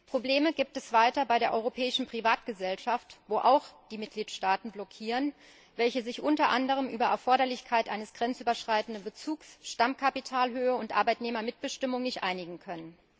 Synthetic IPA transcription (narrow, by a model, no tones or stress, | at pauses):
pʁ̥obleːməɡiːp̚tɛsv̥aɪtɐbaɪɾeːɐʔɔʏʁopʰɛːɪʃn̩pʁ̥ivaːtɡ̥əzɛlʃaftv̥oːʔaʊxd̥iːmɪt̚ɡ̥liːtʃtaːtn̩blɔkʰiːʁən | vɛlçəzɪçʔʊntɐʔandəʁ̞əmʔyːbɐʔɛɐfɔɐɾɐlɪçkʰaɪtʔaɪnəsɡ̥ʁɛnt͡sʔyːbɐʃʁ̥aɪtn̩dənbət͡suːksʃtamkʰapitʰaːlɦøːəʊntʔa̰ɐbaɪtneːmɐmɪt̚b̥əʃtɪmʊŋnɪçtʔaɪnɪɡŋ̩kʰœnən